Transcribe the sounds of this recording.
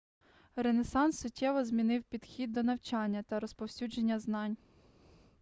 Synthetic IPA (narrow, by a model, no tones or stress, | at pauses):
renesɑnsːʊtʲːɛʋɔzmʲinɪwpʲid̪̥xʲid̪̚ːɔnɐwt͡ʃɑnʲːɐt̪ɐɾɔspɔwsʲud͡ʒe̞nʲːɐznɑnʲ